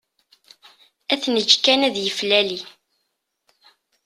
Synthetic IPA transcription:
æθnəd͡ʒkænæðjəflæli

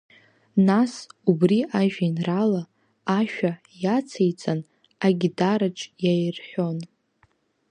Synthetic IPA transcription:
nasubriaʒᶣainralaː | ʃᶣa | jat͡sʰejt͡sʼan | aɡʲidaɾaʈ͡ʂʼjajrħʷᶣo̞n

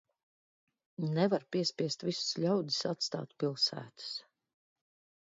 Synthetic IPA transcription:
nɛvaɾpiɛspiɛst̪visu̥sʎʲawd̪i̥sat̪st̪a̰ːt̪pilˠsæ̰ːt̪ɨ̥s

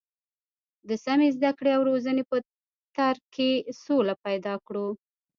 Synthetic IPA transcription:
d̪əsamezd̪akɽeawɾozənepə | t̪aɾkesolapajd̪ɑkɽu

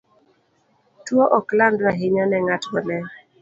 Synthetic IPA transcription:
twoʔɔklandnaɦɪɲɔnɛŋatɔnɛ

